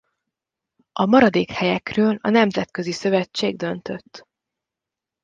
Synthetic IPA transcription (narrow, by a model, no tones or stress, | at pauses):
ʔɒmɒɾɒd̪eːkhɛjɛkrøːlɒnɛmzɛt̪kø̞zisø̞vɛt͡ʃːeːɡ̚d̪ø̞nt̪ø̞t̪ː